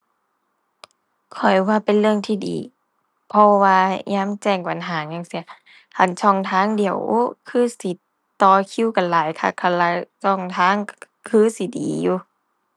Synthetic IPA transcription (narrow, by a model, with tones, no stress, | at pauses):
kʰɔ˨˩jwaː˧˩pe˨nlɯ˧əŋt̪ʰiː˧˩dḭː˨˦ | pʰɔ˧waː˧ɲaː˧˥˨mt͡ɕɛː˧˩ŋba˨nɦaː˨˦ɲaː˧ŋsi˧˩ɐ | hʰa˧˩˨nt͡ɕʰɔ˧˩ŋt̪ʰaː˧˥˨ŋdi˨˧˦ə˨wkʰɯː˧˥˨si˨˦ | t̪ɔː˧kʰi˧˥˨wka˨nlaː˨˦jkʰa̰˧˩kʰa˧˩la˧˩sʰɔ˧˩ŋt̪ʰaː˧˥˨ŋ | kʰɯː˧˥˨si˨˦dḭː˨˦juː˧